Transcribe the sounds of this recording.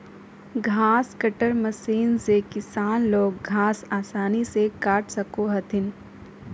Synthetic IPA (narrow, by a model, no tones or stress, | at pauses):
ɡʱaːskəʈəɾmɐsiːnsekɪsaːnloːɡɡʱaːsaːsaːnisekaːʈʰsɐkoɦɐt̪ʰɪn